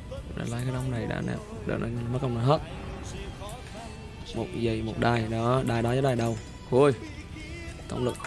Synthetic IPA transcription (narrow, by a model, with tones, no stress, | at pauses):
ɗa̰ː˧˩laː˨˦kaː˨˦ɗa˨˧wŋ͡mna˨˩jɗa̰ː˧˥na̰ː˧˩m | ɗə̰ː˨˩nə˧˩˧mə˦˥k̚ːwŋ͡mnə˨˦ɦəː˦˥t̚ | mo˨˩t̚zə˨˩jmo˨˩t̚ɗaː˨˩jɗɔ˨˦ɗaː˨˩jɗɔ˨˦zɔː˨˦ɗaː˨˩ɗə˨˩w | hu˨˧˩j | t̪ə̰˧˩wŋ͡mlɨ˨˩k̚